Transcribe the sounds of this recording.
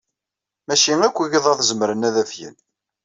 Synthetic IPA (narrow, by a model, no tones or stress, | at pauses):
mæʃiŋækʷːæʝiðˤɑθzəmɾənæðæfjə̰n